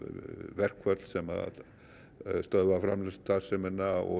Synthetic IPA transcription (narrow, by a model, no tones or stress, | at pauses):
vɛrkʰwɛrdsɛma̰ | st̪ɔðwavra̰mləst̪asɛmənaɔ̰